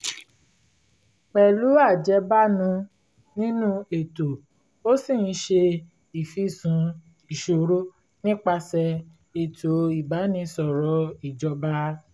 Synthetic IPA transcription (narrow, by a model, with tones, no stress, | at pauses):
k͡pɛ˨lu˨˦a˦˨d͡ʒɛ˨˦ba˦nũ˧˦ | nĩ˦nũ˦e˨to˨ | o˦si˦˨n̩˦ʃe˧ | i˨fi˦˨sũ˨˦ | i˨ʃo˨ɾo˦ | nĩ˦k͡pa˧sɛ˧ | e˨to˨i˨ba˨˦nĩ˧sɔ˨ɾɔ˨˦i˨d͡ʒɔ˧ba˦